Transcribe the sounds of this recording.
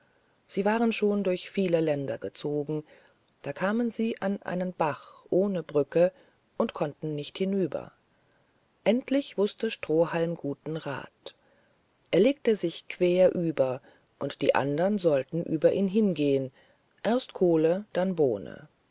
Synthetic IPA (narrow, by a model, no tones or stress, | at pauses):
z̥iːvaːʁənʃoːndʊɐçfiːləlɛndɐɡət͡soːɡŋ̩ | d̥aːkʰaːmənziːʔanʔa̰ɪnənb̥aχʔoːnəbʁʏkə | ʔʊntkʰɔntn̩nɪçthɪnyːbɐ̰ | ʔɛntlɪçv̥ʊstəʃtʁ̥oːhalmɡuːtn̩ʁa̰ːt | ʔeːɐleːk̚təzɪçkʰv̥eːɐʔyːbɐ | ʔʊntd̥ḭːʔa̰ndɐənzɔltn̩ʔyːbɐʔiːnɦɪnɡeːən | ʔeɐstkʰoːləd̥anbo̰ːnə̰